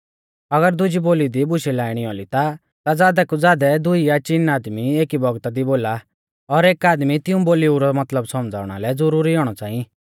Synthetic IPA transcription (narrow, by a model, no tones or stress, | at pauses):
ɐɡəɾd̪ʊd͡ʒiboːlid̪ibʊʃilaːɪɽ̃iɔlit̪a | t̪ad͡zaːd̪ɛkud͡zaːd̪ɛd̪ʊiat͡ʃinaːd̪mieːkibɔɡt̪ad̪iboːla | ɔɾeːkaːd̪mit̪ɪũboːliuɾɔmɐt̪ləbsɔmd͡za̰ːʊɽ̃a̰lɛd͡zɔɾuːɾiɔːɽ̃ɔt͡saːĩ